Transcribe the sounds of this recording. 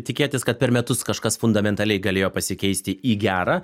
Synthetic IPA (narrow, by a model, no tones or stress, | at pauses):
t̪ʲɪkʲeːt̪ʲɪskɐt̪̚pʲɛɾmʲɛt̪ʊskɐʃkɐsfʊnd̪ɐmʲɛnt̪ɐlʲɛɪɡɐlʲeːjoːpɐsʲɪkʲɛɪsʲt̪ʲɪiːɡʲæːɾaː